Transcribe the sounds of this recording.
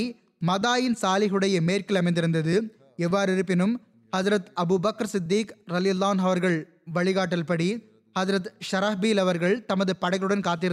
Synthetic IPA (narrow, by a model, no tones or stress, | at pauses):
mɐðaːjɪnsaːlɪɣɯɽɐjɐmeːrkɪlɐmɐɪnd̪ɪɾɯnd̪ɐðɯ | ɛʋːaːɾɪɾɯpːɪnɯm | hɐd͡ʒɾɐt̪ɐbuːbɐkɾsɪd̪ːiːkɾɐlɪjɐlːaːnɐʋɐɾɣɐɭ | ʋɐɭɪɣaːʈ̬ːɐlpɐɽi | hɐzɾɐt̪ʃɐɾɐfbiːlɐʋɐɾɣɐɭt̪ɐmɐðɯpɐɽɐɪɣɐɭɯɽɐnkaːt̪̬ːɪɾɯ